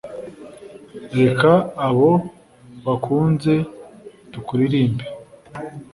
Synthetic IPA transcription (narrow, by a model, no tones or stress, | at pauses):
ɾe̞kaːβo | βakʰuːnze̞dukuɾiɾiːmbe